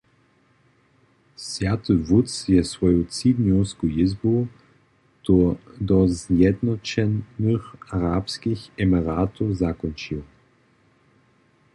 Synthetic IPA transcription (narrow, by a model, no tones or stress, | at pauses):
svjat̪ɨvusjɛsvɔjutt͡sid̪ɲɔwskujɪzbo | t̪d̪ɔzjɛd̪nɔt͡ʃɛnːɨxaɾapskixɛmiɾaːt̪ozakɔnt͡ʃiw